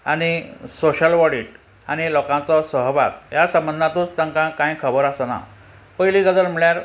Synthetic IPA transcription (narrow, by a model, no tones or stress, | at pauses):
aɽ̃isoɕəlʋɔɽiʈ | aɽ̃ilɔkãt͡sɔsəɦʋa̰t̪jasəmbənd̪ʱat̪ũːt͡st̪ãŋkãkãjkʰəbəɾasana̰ | pəjliɡəd̪əlm̤iɭjaɾ